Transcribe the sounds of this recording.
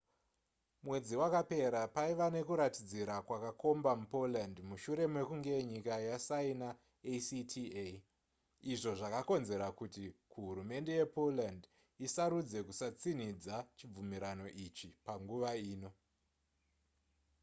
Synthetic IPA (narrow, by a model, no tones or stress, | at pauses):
mwe̞d͡ziwakape̞ɾapaiʋane̞kuɾatid͡ziɾakwakako̞mbamupo̞landmuʃuɾe̞mwe̞kuŋɡe̞ɲikajasaina | esitʰie | iʐo̞ʐakako̞nze̞ɾakutikuɦuɾume̞nde̞je̞po̞land | isaɾud͡ze̞kusat͡sin̤id͡zat͡ʃib͡vumiɾano̞ʔit͡ʃipaŋɡuʋaiːno̞